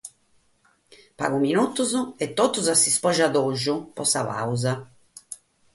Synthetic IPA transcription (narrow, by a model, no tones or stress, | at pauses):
pa̰ɣuminut̪ːuzʊɛt̪ːɔt̪ːuzasːispɔʒaðɔʒupɔsaβa̰wza